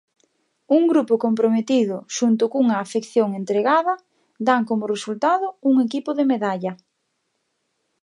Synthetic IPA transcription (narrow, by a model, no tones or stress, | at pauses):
uŋɡɾupʊkompɾomet̪iðʊʃunt̪ʊkuŋɐaːfekθjoŋent̪ɾeɣaðɐ | d̪aŋkomʊresult̪aðʊuŋekipʊðemeðaʎɐ